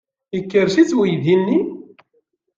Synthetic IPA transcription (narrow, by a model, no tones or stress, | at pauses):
əkːəɾsit͡sːwijðinːi